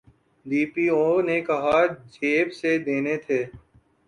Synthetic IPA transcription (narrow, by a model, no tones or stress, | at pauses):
d̪iːpiːoːnekɐɦad͡ʒeːbsed̪eːnet̪ʰeː